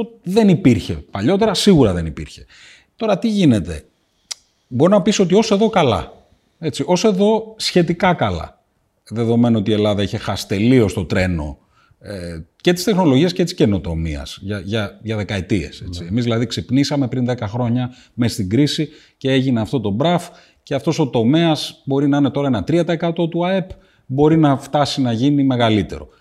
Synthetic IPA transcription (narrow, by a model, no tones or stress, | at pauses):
oðe̞nipiɾçe̞paʎo̞t̪e̞ɾɐsiɣuɾɐðe̞nipḭɾçe̞̥ | t̪o̞ɾɐt̪iʝine̞t̪e̞̰ | bo̞ɾinɐpiso̞t̪io̞se̞ðo̞kɐlɐ̰ | e̞t͡siʔo̞se̞ðo̞sçe̞t̪ikɐkɐlɐ̰ | ðe̞ðo̞me̞noo̞t̪ie̞lɐðɐiçe̞xɐsi̥t̪e̞lio̞st̪o̞t̪ɾe̞no̞̰ | ece̞t̪i̥st̪e̞xno̞loʝiɐscet̪i̥sce̞no̞t̪o̞mḭɐ̰sʝɐʝɐʝɐðe̞kɐet̪iḛse̞t͡siemizðilɐðiksipnisɐme̞pɾinðekɐxɾo̞ɲɐ | mest̪iɡɾisi | ce̞e̞ʝineɐft̪o̞t̪o̞bɾɐf | ce̞ɐft̪o̞so̞t̪o̞me̞ɐsbo̞ɾinɐinet̪o̞ɾɐenɐt̪ɾiɐt̪ɐekɐt̪o̞t̪uɐe̞p | bo̞ɾinɐft̪ɐsinɐʝinime̞ɣɐlit̪e̞̰ɾo̞